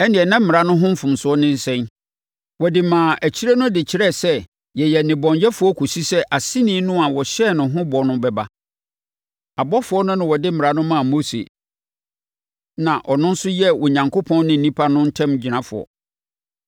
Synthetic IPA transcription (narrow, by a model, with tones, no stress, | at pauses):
ɛ˦nɪ̃˨ɛ˨nã˦m̩˦mɪ̃˨ɾa˦nʊ̃˦ɦʊ̃˦m̩˦fʊ̃˨msʊ˨˦ɔ˦nɪ̃˦n̩˦sɛ̃˦n | wɔ˨dɪ˨mãː˨ʔæ˨t͡ɕʰi˦ɾɛ˦nʊ̃˦dɪ˨t͡ɕʰi˨˦ɾɛ˦˨sɛ˦ | jɛ˨jɛ˨nɪ̃˨bɔ̃˨ɲjɛ˦fʊ˨ɔ˦kʰu˨si˦sɛ˦ʔa˨sĩ˦nĩː˦nʊ̃˦a˨wɔ˨ɕɛ˦˨nʊ̃˨ɦʊ̃˦bɔ˨˦nʊ̃˦bɛ˨ba˦ | a˨bɔ˦fʊ˨ɔ˦nʊ̃˦nʊ̃˦wɔ˨dɪ˦m˦mɪ̃˨ɾa˨nʊ̃˦mãː˦˨mo˦sḛ˨ | nã˨ʔɔ˨nʊ̃˦n̩˦sʊ˦jɛ˦wɔ˨ɲã˨ŋko˦pʰɔ̃˦nː˦ɪ̃˦n̩˨nĩ˦pʰa˦nʊ̃˦n̩˦tʰɛ̃˦md͡ʑi˨nã˦fʊ̰˨ɔ̰˨